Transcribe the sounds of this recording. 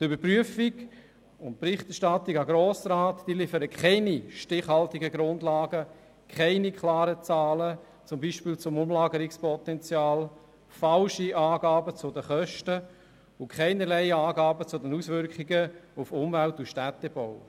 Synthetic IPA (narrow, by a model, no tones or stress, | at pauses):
d̥ybəɾpryəfiɡ | ʊnt̚pɾɪχtɛʃtɑtiɡɑɡɾɔːsɾaːtd̥iːlifəɾəkχɛɪniʃtɪχhɑltiɡəɡɾʊndlaːɡə | kʰɛɪnikʰlɑːɾət͡sɑːlə | t͡sʊmbiːʃpiːlt͡sʊmʊmlɑːɡəɾɪkspɔtɛnt͡sjaːl | falʃiʔaːɡɑːbət͡sʊdəχœʃtə | ʊkʰχɛɪnəlɛɪəaːɡɑːbət͡sʊdɛnuːsʋʏɾkχɪɡəufʊmvæltuʃtætːɛb̥ɔʊ